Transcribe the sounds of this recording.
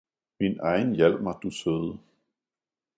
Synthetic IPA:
minʔɑ̈ɪn̩jæl̰̥mɑd̥usøð̩ˠ

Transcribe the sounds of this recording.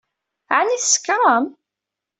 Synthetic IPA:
ʕaniθskːɾɑm

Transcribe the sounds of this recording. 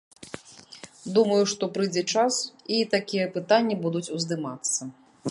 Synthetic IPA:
d̪umɐjuʂt̪ɔpɾɨd͡zʲɛt͡ʂasit̪akʲijɛpɨt̪anʲːibud̪ut͡sʲuzd̪ɨmat̪sːɐ

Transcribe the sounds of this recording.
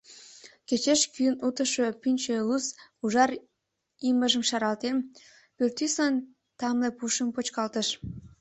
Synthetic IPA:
ket͡ɕeʃkyənut̪əʃopynʲt͡ɕelusuʒɑr | iməʒəmʃɑɾɑlt̪em | pørt̪ysɑn | t̪ɑmlepuʃəmpot͡ɕkɑlt̪əʃ

